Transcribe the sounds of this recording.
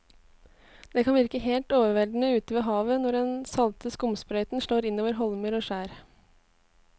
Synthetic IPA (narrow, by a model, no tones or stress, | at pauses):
d̪̥eːkʰɑnʋɪɾkəheːlt̪oːʋəɾʋɛld̪n̩əʉːt̪əʋeːɦɑːʋənɔɖɛnsɑlt̪əskʊmspɾœʏt̪n̩ʃɭoːɾɪnoːʋəɾɦɔlməɾoːʃæːɾ